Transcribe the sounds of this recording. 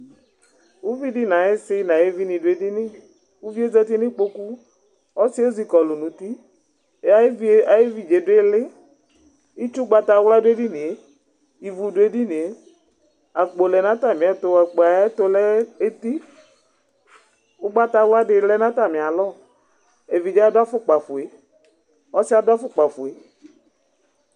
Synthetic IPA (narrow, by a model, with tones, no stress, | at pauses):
u˦vi˦di˦nã˨je˦sɪ˦nã˨je˦vi˦nĩ˨dʊ˨˦e˨di˦nɪ̃˦ | u˦vi˦e˦zɛ˦t̪i˦nɪ̃˦k͡po˦ku˦ | ɔ˦si˦o˦zi˨kɔ˨lʊ˨nũ˨t̪i˦˨˦ | a˦a˨jɪ˦vi˨d͡ʒe˨dʊ˦e˦lɪ˦ | i˦t͡ʃu˦ɡ͡ba˦t̪a˦wla˦dʊ˦e˦di˦nĩ˨e˦ | i˨vu˨dʊ˦e˦di˦nĩ˨e˨˦ | a˨k͡po˨lɛ˨nã˦t̪a˨mĩ˨a˨t̪ʊ˨a˨k͡pe˨a˨ɛ˦t̪o˦lɛ˦e˦t̪i˦ | ʊ˦ɡ͡ba˦t̪a˧˦wa˦ɖɪ˨lɛ˦nã˦t̪a˨mɪ̃˨a˨lɔ˦˨ | e˨vi˨d͡ʒe˦a˦da˦fʊ˦k͡pa˨fʊ˨e˨ | ɔ˦sɪ˦a˨da˦fʊ˦k͡pa˨fʊ˨e˨